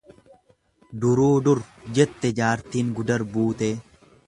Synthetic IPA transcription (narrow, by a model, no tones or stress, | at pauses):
d̪ʊɾuːd̪ʊɾd͡ʒɛt̪ːɛd͡ʒaːɾt̪iːŋɡʊd̪ɐɾbuːt̪eː